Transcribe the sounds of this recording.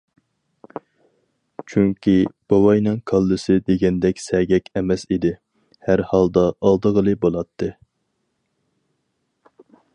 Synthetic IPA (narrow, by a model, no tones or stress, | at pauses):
t͡ʃʰyŋkʲib̥ɑwɑjnɨŋkʰɑlˠːɨsɨd̪eɡʲɛnd̪ɛkʲsɛɡʲɛkʲɛmɛsid̪ɪ | hæɾhɑlˠd̪ɑʔːlˠd̪əʁəlˠɨbolˠɑt̪ʰːɨ